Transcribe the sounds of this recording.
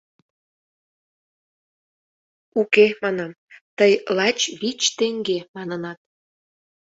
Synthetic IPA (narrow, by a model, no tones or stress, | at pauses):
ukemɑnɑm | t̪əjlɑt͡ɕβit͡ɕt̪eŋɡemɑnənɑt̪̚